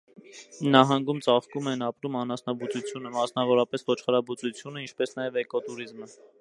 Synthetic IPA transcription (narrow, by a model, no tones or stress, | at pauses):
nɑɦɑŋɡumt͡sɑχkumɛnɑpɾumɑnɑsnɑbut͡sut͡sʰjunəmɑsnɑvɔɾɑpɛsvɔt͡ʃʰχəɾɑbut͡sut͡sʰjunəint͡ʃʰpɛsnɑjɛvɛkɔt̪uɾizmə